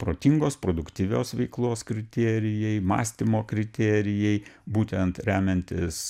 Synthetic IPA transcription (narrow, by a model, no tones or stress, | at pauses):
pɾoːt̪ʲiŋɡoːspɾoːd̪ʊkt̪ʲiːʋʲoːsʋʲɛɪklˠoːskɾʲɪt̪ʲeːɾʲɪjɛɪmɑ̰ːsʲt̪ʲɪmoːkɾʲɪt̪ʲeːɾʲɪjɛɪbuːt̪ʲɛnt̪ɾʲæːmʲɛnʲt̪ʲɪs